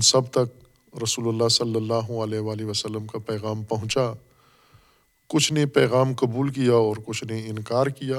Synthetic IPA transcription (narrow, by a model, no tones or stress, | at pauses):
nsɐbt̪ɐk̚ | ɾɐsuːlʊlːaɦsɐlːəlːaːɦʊɐlɛːɦʋaːliʋəsəlːəmkapɛːɣaːmpɐɦʊ̃t͡ʃa | kʊt͡ʃʰnepɛːɣaːmkɐbuːlkijaɔːɾkʊt͡ʃʰneɪnkaːɾkijaː